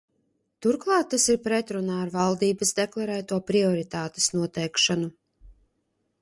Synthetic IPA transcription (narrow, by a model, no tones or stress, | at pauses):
t̪uɾklˠɑːt̪ːasiɾpɾɛt̪ɾunaːɾvalˠd̪iːbɐsd̪ɛklˠaɾɛːt̪uɔpɾiɔɾit̪aːt̪e̥snuɔt̪ɛjkʃanu